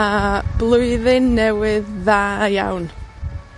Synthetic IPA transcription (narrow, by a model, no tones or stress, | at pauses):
ab̥lˠʊjðɪnːɛwɪðːaːja̰wn